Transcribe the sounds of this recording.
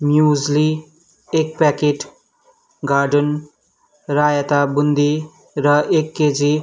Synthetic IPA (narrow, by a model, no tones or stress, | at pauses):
mjuzli | ek̚pɛkeʈ | ɡaɾɖən | ɾajat̪abund̪i | ɾʌekːed͡zi